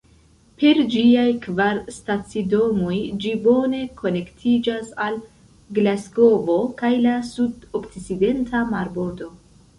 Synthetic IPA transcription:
pe̞ɾd͡ʒiajkvaɾstat͡sido̞mo̞jd͡ʒibo̞ne̞kʰo̞ne̞ktʰid͡ʒasal | ɡlasko̞vo̞kajlasudokt͡st͡side̞ntʰamaɾbo̞ɾdo̞

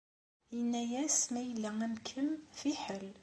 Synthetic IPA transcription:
jənːæjæsmæjəlːææmkʰəmfiħəl

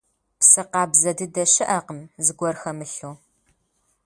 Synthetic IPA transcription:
psɨqɑːbzɐdɨdɐɕɪʔɐqəmzɨɡʷɔrxɐmɨɬuː

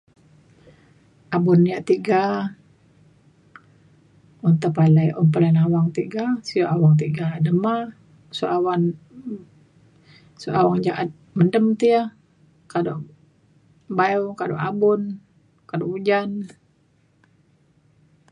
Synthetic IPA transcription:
ʔabʊnːijaʔt̪iɡa | unt̪upalajʔumpəlanawaŋt̪iɡasijaʔawaŋt̪̬iɡadəma | suʔawan | suʔawaŋd͡ʒaʔat̪̚ | məndəmt̪ija | kado | bajokado̰ʔabʊn | kadoud͡ʒan

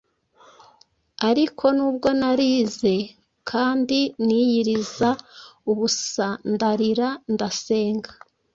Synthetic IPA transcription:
aɾikʰo̞nuːb̚ɡo̞naɾiːze̞ | kʰaːndinijiɾizauβussandaɾiɾandase̞ːŋɡḁ

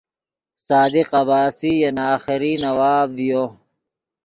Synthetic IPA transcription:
saːd̪iqɐbaːsijɐnaːxiɾiːnɐwaːbvijoː

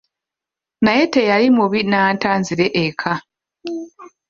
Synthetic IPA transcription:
naje̞te̞jalimuβinaːntaːnziɾe̞ʔekʰa

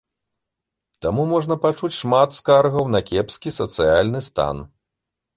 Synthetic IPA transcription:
t̪amumɔʐnɐpat͡ʂut͡sʲʂmat̪skarɣɐwnɐkʲɛpskʲisɐt̪sɨjalʲnɨst̪a̰n

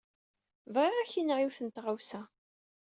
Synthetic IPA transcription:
vʁeʁæçinʕiwθənt̪ʁawsæ

